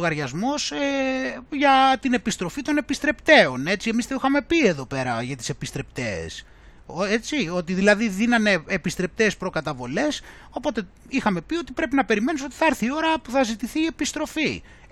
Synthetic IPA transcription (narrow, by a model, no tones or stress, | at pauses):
ɣɐɾʝɐzmo̞seʝɐt̪ine̞pist̪ɾo̞fit̪o̞ne̞pist̪ɾe̞pt̪e̞o̞ne̞t͡sie̞mist̪eixɐme̞pie̞ðo̞pe̞ɾɐʝɐt̪i̥se̞pist̪ɾe̞pt̪ḛːs | oet͡sio̞t̪iðilɐðiðinɐne̞ːpist̪ɾe̞p̚t̪e̞ːspɾo̞kɐt̪ɐvo̞le̞s | o̞po̞t̪e̞ | ixɐme̞pio̞t̪ipɾe̞pinɐpe̞ɾime̞niso̞t̪i̥θɐɐɾθio̞ɾɐpuθɐzit̪iθiːe̞pist̪ɾo̞fi